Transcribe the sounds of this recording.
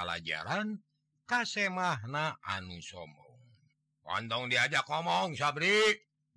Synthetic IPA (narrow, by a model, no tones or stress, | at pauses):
ala̰d͡ʒa̰ɾan | kasɛmahnaʔanusɔmɔ̰ŋ | wa̰nt̪ɔŋdiad͡ʒakɔmɔŋsabɾiʔ